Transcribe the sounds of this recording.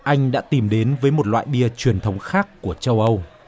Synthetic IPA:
ʔa˧jŋ̟ɗa̰ː˧˥t̪i˨˩mɗe˨˦nvəː˨˦jmo˨˩t̚lwa̰ː˧˨jɗi˧ət͡ɕwi˨˩ənt̪ʰə˨˦wŋ͡mxaː˦˥kːu˧˩ət͡ɕə˧wʔə˧w

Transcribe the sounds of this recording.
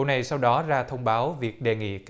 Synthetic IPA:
na˨˩jsa˧wɗɔ˨˦zaː˧t̪ʰə˧wŋ͡mɓaː˨˦wvi˨˩ək̚ɗe˨˩ŋḭ˧˨k

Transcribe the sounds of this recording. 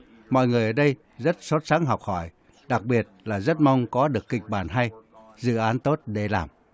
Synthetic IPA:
mɔ̰˧˨jŋɨ˨˩əjʔəː˧˩ɗə˧j | zə˦˥t̚sə˦˥t̚sa˨˦ŋɦɔ˨˩wk͡p̚hɔ˧˩j | ɗa˨˩k̚ɓi˨˩ət̚laː˨˩zə˦˥t̚ma˧wŋ͡mkɔ˨˦ɗɨ˨˩əkːï˨˩k̟̚ɓaː˧˩nɦa˧j | zɨ̰˧˨ʔaː˨˦nt̪o˦˥t̚ɗe˧˩laː˨˩m

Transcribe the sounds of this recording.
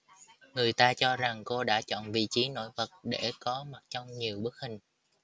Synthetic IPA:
ŋɨ˨˩əjt̪aː˧t͡ɕɔ˧za˨˩ŋko˧ɗa̰ː˧˥t͡ɕɔ̰˧˨nvḭ˧˨t͡ɕi˨˦no̰˧˥jvə˨˩t̚ɗe˧˩kɔ˨˦ma˨˩t̚t͡ɕɔ˧wŋ͡mɲi˨˩əwɓə˦˥ək̚hï˨˩ŋ̟

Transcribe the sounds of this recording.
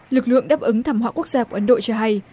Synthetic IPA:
lɨ˨˩k̚lɨ̰˧˨əŋɗaː˦˥p̚ʔɨ˨˦ŋt̪ʰaː˧˩mhwa̰˧˨ku˦˥ək̚z̥aː˧kwʔə˨˦nɗo̰˧˨t͡ɕɔ˧ɦa˧j

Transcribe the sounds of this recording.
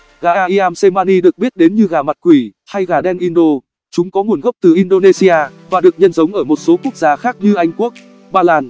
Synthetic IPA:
ɣaː˧˨˩ʔaː˧ʔi˧ʔaː˧mse˧maː˧ni˧ɗɨ˨˩ək̚ɓi˦˥ət̚ɗe˨˦nɲɨ˧ɣaː˨˩ma˨˩t̚kwi˧˩ha˧jɣaː˧˩ɗɛ˧nʔi˧nɗo˧ | t͡ɕʊ˨˦ŋ͡mkɔ˨˦ŋu˨˩ənɣə˦˥p̚t̪ɨ˨˩ʔi˧nɗo˧ne˧si˧ʔaː˧vaː˨˩ɗɨ˨˩ək̚ɲə˧nzə˨˦ŋ͡mʔəː˧˩mo˨˩t̚so˨˦ku˦˥ək̚zaː˨˦xaː˦˥k̚ɲɨ˧ʔa˧jŋ̟ku˦˥ək̚ | ɓaː˧laː˧n

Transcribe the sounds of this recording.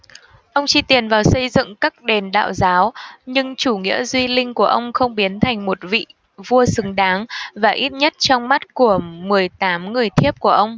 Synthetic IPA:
ʔə˧wŋ͡mt͡ɕi˧t̪i˨˩ənvaː˨˩wsə˧jzɨ̰˧˨ŋkaː˦˥k̚ɗe˨˩nɗa̰ː˧˨wzaː˨˦wɲɨ˧ŋt͡ɕu˧˩ŋḭ˧˥əzwi˧lï˧ŋ̟ku˧˩əʔə˧wŋ͡mxə˧wŋ͡mɓi˨˦ənt̪ʰa˨˩jŋ̟mo˨˩t̚vḭ˧˨ | vu˧əsɨ˨˦ŋɗaː˨˦ŋvaː˨˩ʔi˦˥t̚ɲə˦˥t̚t͡ɕɔ˧wŋ͡mma˦˥t̚ku˧˩əmɨ˨˩əjt̪aː˨˦mŋɨ˨˩əjt̪ʰi˦˥əp̚ku˧˩əʔə˧wŋ͡m

